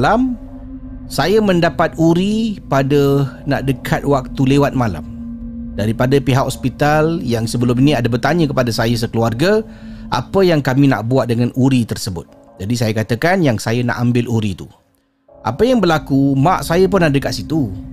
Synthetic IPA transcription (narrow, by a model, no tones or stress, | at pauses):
lam | sajəmə̃ndapat̪̚uɾipadəna̰ʔdəkʰat̪̚wak̚t̪ulewat̪̚mala̰mdaɾipadapiɦakɔspit̪aljaŋsəbəlʊminĩadabərt̪aɲə̃kəpadasajəs̬əkəluarɡa | ʔa̰pəjaŋkamĩna̰ʔbuaʔdəŋanʔuɾit̪ərsəbʊt̪̚ | d͡ʒadis̬ajakat̪əkanjaŋsajana̰ʔambɪlʔuɾit̪u | ʔa̰pəjaŋbərlakumaʔsajəp̬ʊnːaʔdəkat̪̚sit̪u